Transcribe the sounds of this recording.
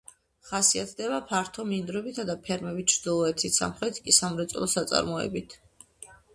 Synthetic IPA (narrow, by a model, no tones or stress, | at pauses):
χasiat̪ʰd̪ɛbapʰaɾt̪ʰɔmind̪ɾɔbit̪ʰad̪apʰɛɾmɛbit̪t͡ʃʰɾd̪̥ilˠɔɛt̪ʰisa̰mχɾɛt̪ʰkʼisamɾɛt̪sʼɔ̰lˠɔsat̪sʼa̰ɾmɔɛ̰bit̪ʰ